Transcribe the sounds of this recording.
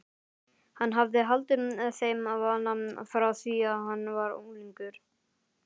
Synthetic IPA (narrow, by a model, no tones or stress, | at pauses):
hanːɦavðɪɦalt̪ʏmɛðθejmavaːnamnfɾaasiːahanːvaɾṵːliŋkʏɾ̥